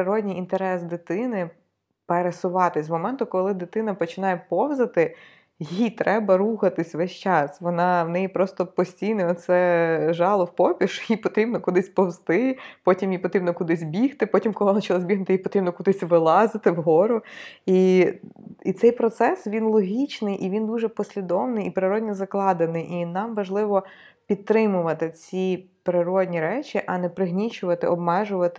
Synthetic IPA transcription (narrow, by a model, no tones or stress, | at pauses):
ɪɾɔdʲnʲijint̪eɾɛsd̪ɪt̪ɪnɪ | peɾesʊʋɑt̪ɪsʲzmɔmɛnt̪ʊkɔlˠɪd̪ɪt̪ɪnɐpɔt͡ʃɪnɑjɛpɔwzɐt̪ɪ | jijt̪ɾɛbɐɾuxɐt̪ɪsʲʋɛʃt͡ʃɑsʋɔnɑwnɛjipɾɔst̪ɔpɔsʲtʲijnɛɔt̪t̪sɛʒɑlˠɔwpɔpʲiʃjipɔt̪ɾʲibnɔkʊd̪ɪsʲpɔwst̪ɪpɔtʲimjipɔt̪ɾʲibnɔkʊd̪ɪzʲbʲixt̪ɪpɔtʲimkɔlˠɪnɐt͡ʃilˠɔzʲbʲiɦnɪt̪ɪjipɔt̪ɾibnɔkʊd̪ɪsʲʋɪlˠɑzɪt̪ɪwɦɔɾʊi | it̪sɛjpɾɔt̪sɛsʋʲinlˠɔɦʲit͡ʃnɪjʔiʋʲind̪uʒɛpɔsʲlʲid̪ɔwnɪjipɾɪɾɔdʲnʲizɐklˠɑd̪enɪjʔinɑmʋɐʒlˠɪʋɔ | pʲid̪̚t̪ːɾɪmʊʋɐt̪ɪt͡sʲi | pɾɪɾɔdʲnʲiɾɛt͡ʃʲiʔɐnɛpɾɪɦnʲit͡ʃʊʋɐt̪ɪɔbmɛʒʊʋɐt̪ɪ